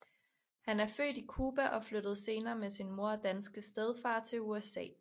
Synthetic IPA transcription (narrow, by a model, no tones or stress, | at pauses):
hænæɐfø̰ːdikʰuːb̥æʔɒ̽flød̥ð̞̩ˠse̝ːnɐːmesinmo̝ɐɒ̽d̥ænsɡ̥əsd̥eð̞ˠfɑ̈ːt͡sʰe̝luesɛ̰ː